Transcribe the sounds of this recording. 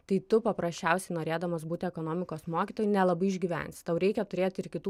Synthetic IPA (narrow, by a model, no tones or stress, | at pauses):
t̪ɐɪt̪ʊpɐpɾɐsʲt͡ʃʲɛˑʊsʲɛɪnoːɾʲeːd̪ɐmɐsbuːt̪ʲɪɛkoːnoːmʲɪkoːsmoːkʲit̪oːjnʲɛlˠɐbɐɪɪʒʲɡʲiːʋʲɛ̰nʲsʲt̪ɐʊɾʲɛɪkʲɛt̪ʊɾʲeːt̪ɪɾkʲɪt̪uː